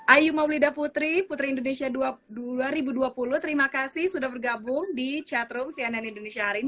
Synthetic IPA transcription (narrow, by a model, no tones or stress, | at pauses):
ʔajumawlidaput̪ɾiput̪ɾiːndonesiadaaɾibuduapulʊht̪əɾimakasɪhsudahbərɡabʊŋdit͡ʃat̪ɾʊmsiananindonesiaɦaɾin